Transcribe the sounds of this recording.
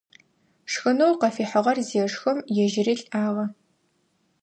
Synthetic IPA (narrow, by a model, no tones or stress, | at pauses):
ʂxɨnowqɐfiːħəʁɐrzijɛʂxɨmjɛʒɪriːɬʼaːʁɐ